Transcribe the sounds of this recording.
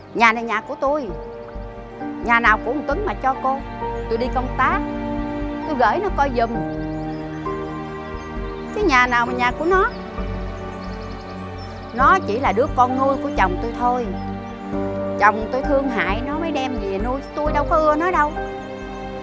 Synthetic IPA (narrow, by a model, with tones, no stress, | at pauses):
ɲaː˨˩na˨˩ɲaː˨˩ku˧˩ət̪u˧j | ɲaː˨˩naː˨˩wku˧˥˨t̪ï˨˦ŋmaː˨˩t͡ɕɔ˧ko˧t̪u˧jɗi˧kə˧wŋ͡mt̪aː˦˥k̚ | t̪u˧jɣə̰ː˧˩jnɔ˨˦kɔ˧jzʊ˨˩ŋ | kaː˨˦jɲaː˨˩naː˨˩wmaː˨˩ɲaː˨˩ku˧˩ənɔ˨˦ | nɔ˨˦t͡ɕi˧˩laː˨˩ɗɨ˦˥əkɔ˧nːu˧jku˧˩ət͡ɕə˨˩wŋ͡mt̪u˧jt̪ʰo˧j | t͡ɕə˨˩wŋ͡mt̪u˧jt̪ʰɨ˧əŋɦa̰ː˧˨jnɔ˨˦mə˨˦jɗɛ˧mɲi˨˩nu˧jt̪u˧jɗə˧wkɔ˨˦ʔɨ˧ənɔ˨˦jɗə˧w